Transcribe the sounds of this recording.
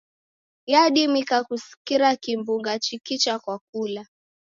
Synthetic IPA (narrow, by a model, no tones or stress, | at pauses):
jaɗimikakusi̥kiɾakimbuŋɡat͡ʃikit͡ʃakwak̚ula